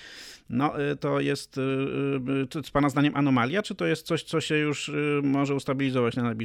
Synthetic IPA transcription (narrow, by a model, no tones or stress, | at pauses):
nɔʔt̪ɔjɛst̪ | spanazd̪aɲɛmʔanɔmalʲjat͡ʂɘt̪ɔjɛst̪t̪sɔɕt̪sɔɕɛjuʂmɔʐɛust̪abʲilʲizɔvat͡ɕnanabʲi